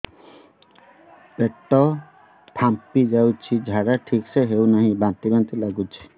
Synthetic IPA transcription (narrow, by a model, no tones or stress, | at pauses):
peʈɔ | pʰampid͡ʒawt͡ʃʰid͡ʒʱaɾaʈʰikseɦewnaɦĩbãnt̪ibãnt̪ilaɡut͡ʃʰi̥